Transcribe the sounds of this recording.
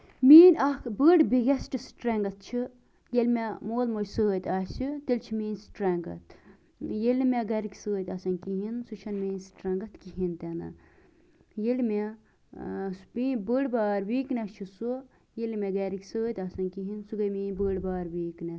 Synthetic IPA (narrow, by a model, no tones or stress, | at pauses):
miːnʲɐkbəːɽbiɡɐsʈɨsʈɾɛŋɡɐt̪̚t͡ʃʰi | jelʲmemoːlmosəːt̪ʲasʲit̪ilʲt͡ʃʰimiːnsʈɾɐŋɡɐ̰t̪ʰ | jelʲmʲeɡɐɾikʲsəːt̪ɐsɐnkiɦinsut͡ʃʰɐnmiːnsʈɾɐŋɡɐt̪kiɦint̪ɛnɐ̰ | jelme | sbiːnbəɽbaːɾʋiːknɛt͡ʃʰiso | jelʲmʲeɡɐɾikʲsəːt̪ʲɐsɐnkiɦinsuɡɐjmiːnʲbəːɽbaːɾʋiːknɛ